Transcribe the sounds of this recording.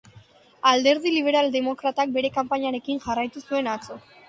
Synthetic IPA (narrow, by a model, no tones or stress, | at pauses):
ald̪e̞ɾð̞iliβ̞e̞ɾald̪e̞mo̞kɾat̪ak̚be̞ɾe̞kampaɲaɾe̞kinʝarajt̪usue̞nat͡so̞